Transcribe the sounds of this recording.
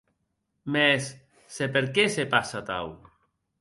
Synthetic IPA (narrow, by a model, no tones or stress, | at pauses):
mesː | epeɾkesepasat̪a̰w